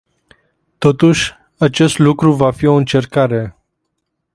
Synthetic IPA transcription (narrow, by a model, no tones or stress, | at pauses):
t̪o̞t̪uʃʲ | at͡ʃe̞st̪lukɾuvafio̞ɨnt͡ʃe̞rkaɾe̞